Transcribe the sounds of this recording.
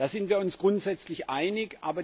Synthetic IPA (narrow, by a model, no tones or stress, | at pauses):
d̥aːzɪntv̥iːɐʊnsɡ̥ʁʊntz̥ɛt͡slɪçʔaɪnɪçʔa̰ːbɐ